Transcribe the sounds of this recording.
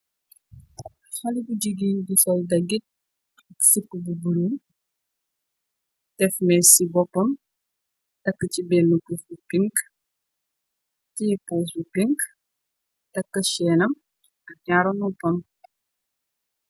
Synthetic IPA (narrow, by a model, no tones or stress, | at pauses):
xɐlibuɟiɡindisɔldɐɡit̚ | ɐksipːəbubulu | tɛfmɛsibɔpːɐm | tɐkːɐt͡ʃibɛlnupusbupiŋk | tipuːs̬bupiŋk | tɐkːɐʃɛːnɐm | ɐɲaɾɔnɔpɔm